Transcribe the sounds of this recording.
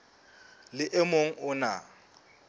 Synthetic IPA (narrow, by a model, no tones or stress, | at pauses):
lɪʔɛmoŋ̩ʊna